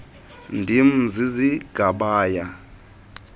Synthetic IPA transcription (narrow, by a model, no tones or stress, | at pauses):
ndʱim̩d͡ziziɡ̥ʱaɓaːja